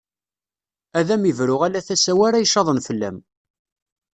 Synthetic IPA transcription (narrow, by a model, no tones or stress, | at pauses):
æðæmivɾʊʁælæθæsæwæɾæjʃːɑðˤənfəlːæ̰m